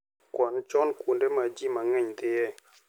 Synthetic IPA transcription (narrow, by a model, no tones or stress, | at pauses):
kwɔnt͡ʃɔnkundemad͡ʒimaŋeɲt̪ejɛ